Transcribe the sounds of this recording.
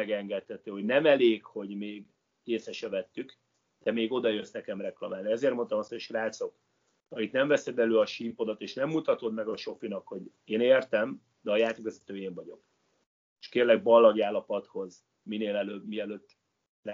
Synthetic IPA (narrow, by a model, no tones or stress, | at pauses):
ɛɡɛŋɡɛt̪hɛt̪øːho̞ɟnɛmɛleːkho̞ɟmeːɡ | keːsɛʃɛvɛt̪ːyk | d̪̥ɛmeːɡo̞d̪ɒjøsnɛkɛmrɛklɒmaːlniɛzeːrtmo̞nt̪ɒmɒshoʃkraːt̪so̞k | ɒmit̪nɛɱvɛsɛd̪ɛløːɒʃimpo̞d̪ɒt̪eːʃnɛmːut̪ɒt̪o̞d̪mɛɡɒʃo̞finɒkho̞ɟ | eːneːrt̪ɛm | d̪ɛɒjaːt̪ikvɛzɛt̪øːjeːɱvɒɟo̞̰k | eʃkeːrlɛɡ̚bɒlːɒɡaːlːɒpɒt̪ho̞z | mineːlɛløbmiɛløːt̪ː